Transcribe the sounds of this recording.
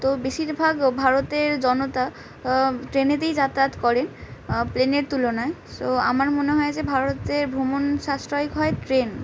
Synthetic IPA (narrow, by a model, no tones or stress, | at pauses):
t̪obeʃiɾbʱaɡbʱaɾot̪eɾd͡ʑɔnot̪a | ʈɾenet̪ejd͡ʑat̪at̪kɔɾenpleneɾt̪ulonaesoa̰maɾmoneɦɔed͡ʑebʱaɾot̪eɾbʱɾomonʃasɾɔjikɦɔetɾen